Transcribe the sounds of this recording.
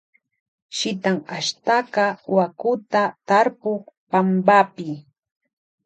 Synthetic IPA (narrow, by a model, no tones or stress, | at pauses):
ʃɪt̪aŋaʃt̪akɑwakʊt̪at̪aɾpoχpambapɪ